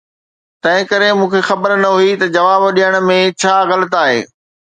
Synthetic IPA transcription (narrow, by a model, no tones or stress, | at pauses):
t̪ɐ̃ɦɪ̃kɐɾemũːkʰexɐbəɾnɐɦuit̪ɐd͡ʑɐʋaːbɗijəɽ̃ʊ̆mẽt͡ɕʰaːɣɐlət̪aːɦḛː